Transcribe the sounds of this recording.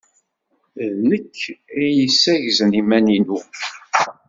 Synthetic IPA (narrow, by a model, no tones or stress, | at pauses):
ðnəkːijəsːæʝzənimæninu